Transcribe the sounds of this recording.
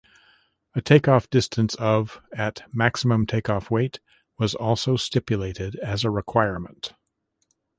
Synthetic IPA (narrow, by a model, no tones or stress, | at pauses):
ɨtʰeɪkɔfd̥ɪstʰɨ̃nsʌvɨtmæksəmə̃mtʰeɪkɔfweɪt̚ | wʌzɔlˠsoʊstɪpjɨleɪɾɪɾɨzəɹɨkʰw̥aɪəɹmə̃nt